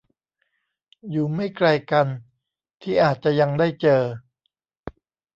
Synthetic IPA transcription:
juː˨˩ma˥˩jkla˧jka˧n | t̪ʰiː˥˩ʔaː˨˩t̪̚t͡ɕa˨˩ja˧ŋda˥˩jt͡ɕɤː˧

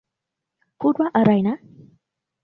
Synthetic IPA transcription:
ku˦dwa˦ʔa˨ɾa˨jna˦

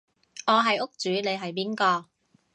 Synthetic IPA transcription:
ŋɔː˨˧ɦɐ˨jʊ˥k̚t͡ʃyː˨˥ne˨jɦɐ˨jp̬iː˥nkɔː˧

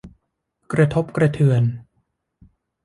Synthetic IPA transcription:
kɾa˧t̪ʰo˦˥p̚kɾa˧t̪ʰɯ˨˩ən

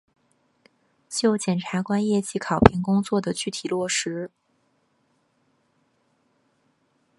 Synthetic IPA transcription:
t͡ɕjo˥˩ʊt͡ɕjɛ˨˩nʈ͡ʂʰa˧˥kwa˥njɛ˥˩t͡ɕi˧˥kʰɑ˨˩ʊpʰi˧˥ŋkʊ˥ŋt͡swɔ˥˩d̪ə˩t͡ɕy˥˩t̪ʰi˨˩lwɔ˥˩ʂɻ̩˧˥

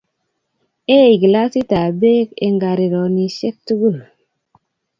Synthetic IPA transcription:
e˦i˨ɡi˨la˦si˦ta˨be˦kḛ˨ŋɡa˨ɾi˨ɾɔ˨ni˨ʃe˦k̚tu˦ɡu˦˨l

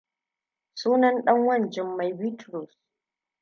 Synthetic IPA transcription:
suː˦nɐ˦nɗɐ˦ŋwɐ˦˨nd͡ʒɪ˨mːa˨jbi˦tɾɔ˨s

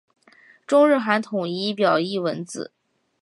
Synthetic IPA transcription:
ʈ͡ʂʊ˥ŋɻɻ̩˥˩xa˧˥nt̪ʰʊ˨˩ŋi˥pjɑ˨˩ʊi˥˩wə˧˥nt͡sɹ̩̰˨˩˦

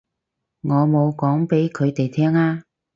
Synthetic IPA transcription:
ŋɔː˨˧mo˨˧wkɔː˨˥ŋpe˨˥jkʰɵ˨˧ɥt̪e˨jt̪ʰɛː˥ŋaː˥

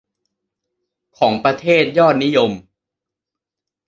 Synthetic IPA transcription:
kʰɔː˩˦ŋpɾa˧t̪ʰeː˥˩t̪̚jɔː˥˩t̪̚ni˦˥jo˧m

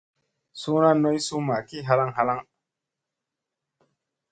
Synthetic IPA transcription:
su˦na˦no˦jsu˦ma˨ki˦ɦa˦la˦ŋɦa˦la˦ŋ

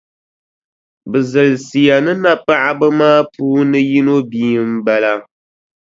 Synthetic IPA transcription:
bɨ˨zɨ˨lsi˨ja˨nɨ˦na˦pa˦ʔa˦bɨ˦maː˦puː˦nɨ˦ji˦no˦biː˦m̩˦ba˦la˦

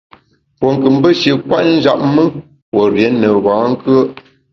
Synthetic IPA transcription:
po˨ŋ˨kɨ˨m˦bə˦ʃə˨kwa˦ʔn̩˦d͡ʒa˨p̚mə˦ | wə˨ɾjɛ˨˦nːə˨βã˨˦ŋ̩˦kɯ˦ə˦

